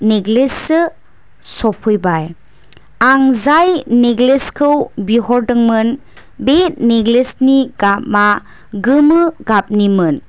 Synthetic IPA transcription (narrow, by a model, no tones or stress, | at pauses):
neɡlesɯ | sɔpʰɯjbaj | aŋzajneɡleskʰɯwbiɦɔɾdɯŋmɯn | bet̚neɡlesniɡap̚ma | ɡɯmɯɡap̚nimɯn